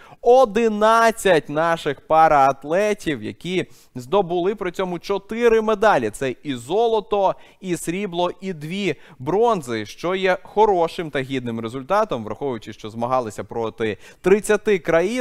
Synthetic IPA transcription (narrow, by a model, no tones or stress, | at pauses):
ɔd̪ɪnɑt͡sʲːɐtʲnɑʃɪxpɑɾɐːt̪lˠɛtʲiwjɐ̰kʲi | zd̪ɔbʊlˠɪpɾɔt͡sʲɔmʊt͡ʃɔt̪ɪɾɪmed̪ɑlʲit̪sɛizɔlˠɔt̪ɔ | isɾʲiblˠɔʔid̪ʋʲi | bɾɔnzɪʃt͡ʃɔjɛxɔɾɔʃɪmt̪ɐɦʲid̪nɪmɾezʊlʲt̪ɑt̪ɔmʋɾɐ̰xɔʋʊjʊt͡ʃɪʃt͡ʃɔzmɐɦɑlˠɪsʲɐpɾɔt̪ɪ | t̪ɾɪt͡sʲːɐt̪ɪkɾɐji